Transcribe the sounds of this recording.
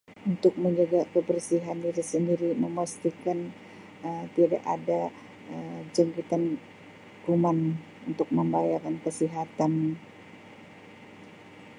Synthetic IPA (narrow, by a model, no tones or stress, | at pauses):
unt̪ʊk̚məɲd͡ʒaɡakəbərsiɦandiɾisəndiɾiməmast̪ikan | əmt̪ida̰ʔa̰da | əd͡ʒaŋkit̪an | ruman | unt̪ʊk̚məmbajakankəsiɦat̪an